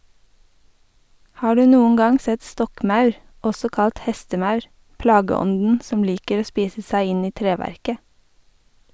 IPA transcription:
ˈhɑː ˈɖʉː ˈnuːŋ̍ ˈɡɑŋ ˈsɛt ˈstɔkˌmɑʉɹ ˈɔsɔ ˈkɑlt ˈhɛstəˌmɑʉɹ ˈplɑːɡəˌɔndn̩ ˈsɔm ˈliːkəɾ ˈoː ˈspiːsə ˈsæɪ ˈɪn ˈiː ˈtɾeːʋæɾkə

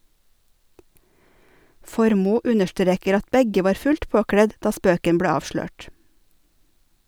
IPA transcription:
ˈfɔɾmuː ˈʉnəʃˌtɾeːkəɾ ˈɑt ˈbɛɡə ˈʋɑːɾ ˈfʉlt ˈpoːkɽɛd ˈdɑː ˈspøːkən ˈbɽeː ˈɑːʋʃløːʈ

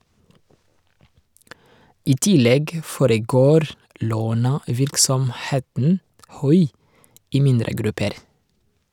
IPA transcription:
ˈiː ˈtɪˌlɛɡ ə ˈfoːɾəˌɡoːɾ ˈloːnəˌʋɪɾksɔmˌheːtn̩ ˈhʉɪ ˈiː ˈmɪndɾə ˈɡɾʉpəɾ

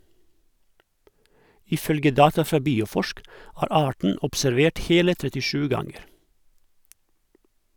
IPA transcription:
ɪˈfœlɡə ˈdɑːtɑ ˈfɾɑː ˈbiːʊˌfɔʃk ˈæːɾ ˈɑːʈɳ̩ ʊpsæɾˈʋeːʈ ˈheːlə tɾɛtɪˈʃʉː ˈɡɑŋəɾ

